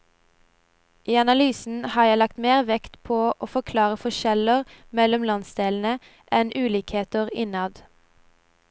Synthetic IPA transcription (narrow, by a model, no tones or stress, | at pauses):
ʔiːɑnɑlyːsn̩hɑːjæɪlɑk̚t̪meːʁʋɛkt̪pʰoːʔoːfɔkʰlɑːʁəfɔʃɛləʁmɛlɔmlɑnsd̪eːln̩ə | ʔɛnʔʉːliːkheːt̪əʁɪ̰nɑd̪